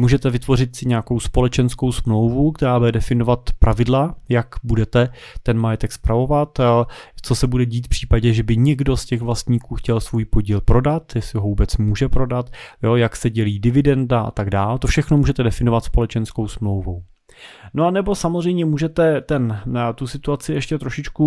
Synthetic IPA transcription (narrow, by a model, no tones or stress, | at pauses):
muːʒɛt̪ɛvɪt̪vo̞r̝ɪt̪sɪɲeakowspo̞lɛt͡ʃɛnsko̞wsmlo̞wvukt̪ɛɾaːbudɛdɛfɪnovat̪pɾʔavɪdlajakbudɛt̪ɛ | t̪ɛnmajɛt̪ɛkspɾavo̞vat̪t͡so̞sɛbudɛɟiːt̪fpr̝̥iːpaɟɛʒɛbɪɲɛɡdo̞scɛɣvlast̪ɲiːkuːxcɛlsvujpoɟiːlpɾo̞dat̪jɛslɪɦovuːbɛt͡smuːʒɛpɾo̞dat̪jojaksɛɟɛliːdɪvɪdɛndaʔa̰t̪aɡdaːlt̪ofʃɛxnomuːʒɛt̪ɛdɛfɪnovat̪spo̞lɛt͡ʃɛnskowsmlo̞wvu | noanɛbo̞samozr̝ɛjmɲɛmuːʒɛt̪ɛt̪ɛnt̪usɪt̪uat͡sɪʔɛʃcɛt̪ɾoʃɪt͡ʃku